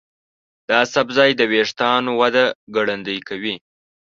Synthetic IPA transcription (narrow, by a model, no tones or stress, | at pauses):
d̪̥ɑasabzɑjd̪əweʂt̪ɑnowad̪aɡaɽand̪əjkawi